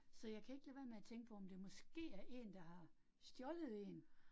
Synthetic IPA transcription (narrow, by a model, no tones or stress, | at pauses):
sɒ̽jɑ̈ɪkʰæe̝ɡ̥lɛʋæːɐmeæt͡sʰeŋɡ̥əpʰɒ̽ɒmd̥e̝mɒ̽sɡ̥e̝̰ːæɐʔe̝̰ːnd̥ɑ̈hɑ̈ | sd̥jɒləð̩ˠe̝ːn